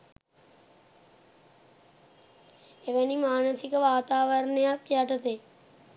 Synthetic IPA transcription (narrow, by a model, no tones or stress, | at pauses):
eʋænimaːnəsikəʋaːt̪aːʋəɾənəjakjaʈət̪e